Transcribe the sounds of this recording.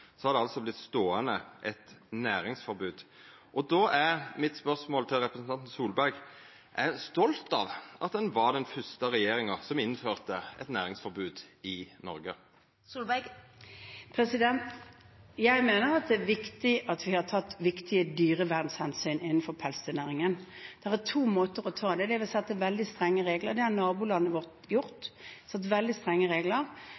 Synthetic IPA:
sɔhɑɾd̪ɛɑlsɔblɪt̪st̪oːənəʔɛt̪næːɾɪŋsfɔɾbʉːd̪ | ʔɔd̪oːʔæɾmɪt̪spœʁsmoːlt̪ʰɪlɾɛpɾəsn̩t̪ɑnt̪n̩suːlbæɾɡ | ʔæst̪ɔlt̪ɑʋʔɑ̰t̪̚d̪ɛnʋɑɾd̪ɛnfœst̪əɾɛjeːɾɪŋəsɔmɪnːføːʁt̪əɛ̰t̪næːɾɪŋsfɔɾbʉːd̪ɪnɔɾɡə | suːlb | pʰɾɛsɪd̪ɛnt̪ | jæɪmeːnəɾɑt̪̚d̪ɛæʋɪkt̪ɪʔɑt̪ʋɪhɑt̪ʰɑt̪ːʋɪkt̪ʰɪəd̪yːʁəʋæʁd̪n̩shɛnsyːnɪnːn̩fɔɾpʰɛlst̪ənæːʁɪŋənd̪̥ɛʁæt̪ʰuːmoːt̪əɾɔt̪ʰɑːd̪ɛd̪ɛʋɪlsɛt̪ːəʋɛld̪ɪst̪ʁɛŋːəʁeːɡləʁɾd̪ɛhɑnɑːbuːlɑnːəʋɔʁt̪jʊʁt̪sɛt̪ːʋɛld̪ɪst̪ʁɛŋːəʁeːɡləɾ

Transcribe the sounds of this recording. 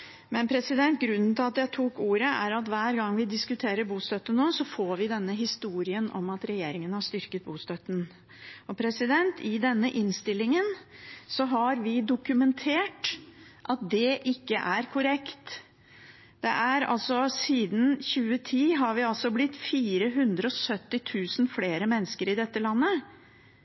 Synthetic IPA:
mɛnpʰɾɛsɪd̪ɛnt̪̚ɡɾʉnːn̩t̪ʰɪlɑt̪jæɪt̪ʰuːkuːɾəʔæ̰ɾɑt̪ʋæːɾɡɑŋːʋɪd̪ɪskʉt̪ʰeːɾəɾbuːst̪œt̪ːənːoːsɔfoːɾʋɪd̪ɛnːəɦɪst̪uːɾɪənɔ̰mɑt̪ɾɛjeːɾɪŋənhɑʂt̪ʏɾkət̪̚buːst̪œt̪ːən̩ | ɔpʰɾɛsɪd̪ɛnt̪ʰɪd̪ɛnːəʔɪnst̪ɪlːɪŋənsɔɦɑɾʋɪd̪ʊkʉmɛnt̪ʰeːʈʔɑt̪̚d̪ɛʔɪkːəʔæɾkʰʊɾɛkt̪ | d̪̥ɛʔæɾɑ̰lsɔsiːd̪n̩çʉːət̪ʰiːɦɑɾʋɪɑlsɔblɪt̪ːfiːɾəɦʉnd̪ɾəɔsœt̪ːɪt̪ʰʉːsn̩fleːɾəmɛnːəskəɾɪd̪ɛt̪ːəlɑnːə

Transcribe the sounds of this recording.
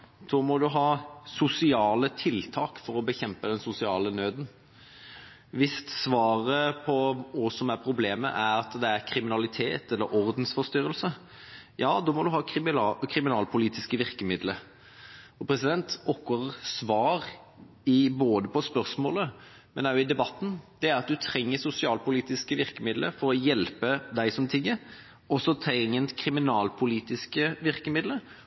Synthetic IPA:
d̪̥oːmɔd̪ʉɦɑːsʊsɪɑːlət̪ʰɪlt̪ʰɑːkfɔɾɔbəçɛmpəd̪ɛnsʊsɪɑːlənøːd̪n̩ | ʋɪst̪sʋɑːɾəpʰɔɔsɔmæɾpʰɾʊbleːmə̰ʔæɾɑt̪d̪ɛæɾkʰɾɪmɪnɑlɪt̪ʰeːt̪ɛlːəɾɔɾd̪n̩sfɔʁst̪ʏɾəlsə | jɑːd̪ɔːmɔd̪ʉɦɑːkʰɾɪmɪnɑːlpʰʊliːt̪ɪskəʋɪʁkəmɪd̪lə | ɔpʰɾɛsɪd̪ɛnt̪ɔkːɑʁsʋɑːɾ | ɪboːd̪əpɔspœɾsmoːlə | mɛnɑʊɪd̪ɛbɑt̪ːn̩d̪̥ɛæɾɑt̪̚d̪ʉt̪ʰɾɛŋːəsʊsɪɑːlpʊliːt̪ɪskəʋɪɾkəmɪd̪lə̰fɔɾɔjɛlpəd̪æɪsɔmt̪ʰɪŋːəɾ | ɔsɔt̪ʰɛŋːənt̪kʰɾɪmɪnɑːlpʰʊliːt̪ɪskəʋɪɾkəmɪd̪lə

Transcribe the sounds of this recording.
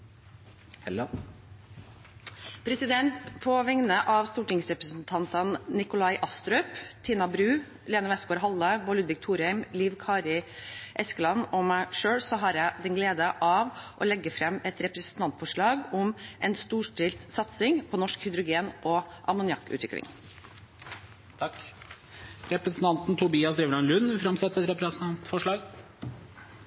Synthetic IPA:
pʰɾɛsɪd̪ɛnt̪pʰɔʋɛŋnəʔɑʋst̪uːʈɪŋsɾɛpɾəsn̩t̪ʰɑnt̪ɑnnɪkʊlɑɪʔɑst̪ɾœʏpt̪ʰiːnɑbɾʉː | leːnəʋɛskoːɾɦɑlːəbɔlʉd̪ʋɪk̚t̪ʰuːɾhæɪmliːʋkʰɑːɾɪʔɛskəlɑnɔmæɪʂøːɭsɔɦɑɾjæɪd̪ɛnɡleːd̪əʔɑʋʔɔ̰lɛɡːəfɾɛmɛt̪ɾɛpɾɛsn̩t̪ʰɑnt̪fɔʂɭɑːɡʊmʔɛnst̪uːʂʈɪlt̪sɑt̪sɪŋpʰɔnɔʂkhʏd̪ɾʊɡeːnʔɔʔɑ̰mʊnjɑkːʉ̰t̪ʰʋɪ̰klɪ̰ŋ | t̪ʰɑk | ɾɛpɾəsn̩t̪ʰɑnt̪n̩t̪ʰʊbiːɑsd̪ɾiːʋɾɑnlʉnfɾɑmsɛt̪ːɛt̪ɾɛpɾɛsʰɑnt̪fɔʂɭɑːɡ

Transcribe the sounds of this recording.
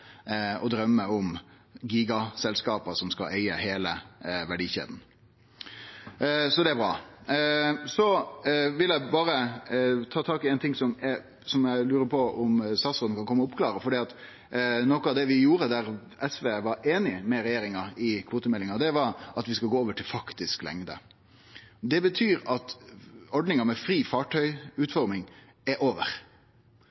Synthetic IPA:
ɔd̪ɾœmːəʊm | ɡiːɡɑsɛlskɑːpəsɔmskɑ̰lʔæɪəheːləʋæɖiːçḛːd̪n̩ | sɔd̪ɛæɾbɾɑ̰ː | sɔʋɪlæɪbɑːɾət̪ʰɑːt̪ʰɑːkɪɛɪnt̪ʰɪŋsɔmɛ | sɔmjæɪlʉːɾəpʰɔʊmsɑsɔd̪nkɑnkʰɔmːəʊpkʰlɑːɾəfɔɖiːɑt̪ | nɔkəɑʋd̪ɛʋɪjuːɾəd̪æɾ | ɛsʋeːʋɑɾeːnɪmɛɾɛjeːɾɪŋɑɪkʰʋoːt̪əmɛlːɪŋɑd̪ɛʋɑɾɑt̪ʋɪskɑlɡoːoːʋəʈʰɪlfɑkt̪ɪsklɛ̰ŋd̪ə̰ | d̪ɛbət̪ʰyːɾɑt̪ɔɖnɪŋɑmɛfɾiːfɑːʈʰœʏʉːt̪fɔɾmɪŋ | ɛɾʔoːʋə̰ɾ

